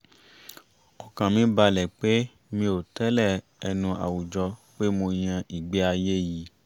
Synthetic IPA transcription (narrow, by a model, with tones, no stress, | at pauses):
ɔ˨kã˨mĩ˨˦ba˧lɛ˨k͡pe˦ | mĩ˧o˨tɛ˦lɛ˦˨ | ɛ˧nũ˧a̰˨wu˨d͡ʒɔ˧k͡pe˦mo˧j̃ã˧ʔi˨ɡ͡be˦a˧je˦ji˨˦